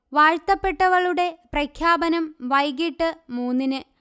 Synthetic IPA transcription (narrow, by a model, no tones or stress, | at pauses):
ʋaːɻt̪ːɐpːe̞ʈːɐɣɐɭuɽe̞prɐkʰjaːbɐnɐmʋɐjɡiʈːɨmuːnːinɨ